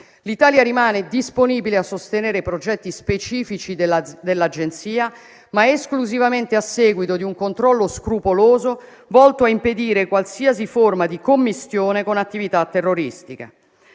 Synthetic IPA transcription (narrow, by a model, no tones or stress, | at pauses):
lit̪aːljaɾimaːned̪isponiːbileasːost̪eneːɾepɾod͡ʒɛt̪ːispet͡ʃiːfit͡ʃid̪elːad͡ʒent̪siːa | maɛeskluzivament̪easːɛːɡwit̪od̪iuŋkont̪ɾɔlːoskɾupoloːzo | vɔlt̪oaimped̪iːɾekwalsiːasiformad̪ikomːisjoːnekonat̪ːivit̪at̪ːerːoɾist̪ika̰